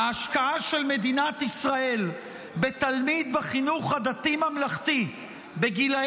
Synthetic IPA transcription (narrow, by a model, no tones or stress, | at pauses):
aːʃkaaʃe̞lme̞d̪inat̪isʁael | be̞t̪almid̪beχinuχhad̪at̪imhamlaχt̪i | beɡila